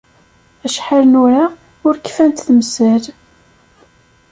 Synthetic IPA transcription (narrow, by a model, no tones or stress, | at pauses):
æʃħalnʊɾaʁ | ʊɾkːfænt̪θəmsæl